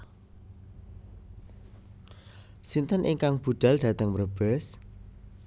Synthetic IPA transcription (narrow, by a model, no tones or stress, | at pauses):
sint̪ənʔiŋkaŋb̥ṳd̪̥a̤ld̪̥a̤t̪əŋmərb̥ɛs